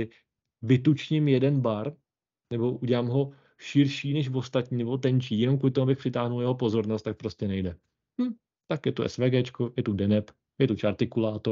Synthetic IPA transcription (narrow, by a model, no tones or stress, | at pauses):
ɪ | vɪt̪ut͡ʃɲɪmjɛdɛnbaɾ | nɛbo̞ʔuɟɛlaːmɦo̞ | ʃɪɾʃiːnɛʃvo̞st̪at̪ɲiːnɛbo̞t̪̬ɛɲt͡ʃiːjɛnomkulɪt̪omubɪxpr̥ɪt̪aːɦnuljɛɦo̞po̞zo̞ɾnost̪ːak̚pɾo̞scɛnɛjdɛ | hm̩ | t̪akjɛt̪uʔɛ̰svɛːɡɛːt͡ʃkojɛt̪udɛnɛp | jɛt̪ut͡ʃaɾt̪ɪkulaːt̪o